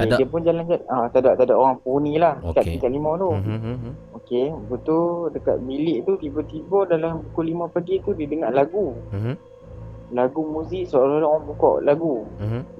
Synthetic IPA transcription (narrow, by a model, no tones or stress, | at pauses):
okeddiəpʊnd͡ʒaland͡ʒaat̪adaʔt̪adaʔoɾaŋpunilahkaʔ̪̚kikaʔlimãt̪u | okebət̪uldəka̰t̪̚bilɪʔt̪ut̪ibɔt̪ibɔdalampukulimãpaɡit̪udidəŋaʔlaɡu | laɡumuzɪʔsoalolaoɣaŋpukɔ̰ʔlaɡu